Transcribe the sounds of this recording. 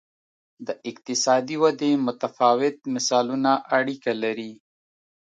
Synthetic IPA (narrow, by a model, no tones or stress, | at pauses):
d̪əʔɪq̚t̪ɪsɑd̪iwad̪emʊt̪afɑwɪt̪̚mɪsɑlunaʔaɽikalaɾi